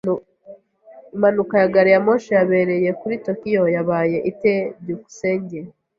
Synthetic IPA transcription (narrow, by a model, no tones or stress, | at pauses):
imanukajaɡaɾijamoʃejaβe̞ɾe̞je̞kuɾito̞kijo̞jaβaːje̞ʔiteduku̥seːɲɟe